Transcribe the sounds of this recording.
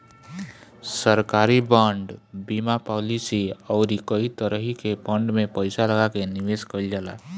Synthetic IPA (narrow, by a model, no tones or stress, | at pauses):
səɾkaɾibəɳɖbimapɔlisiəʊɾikəɦit̪əɾəɦikebəɳɖmepəɪsaləɡakeniʋeskəld͡ʒala̰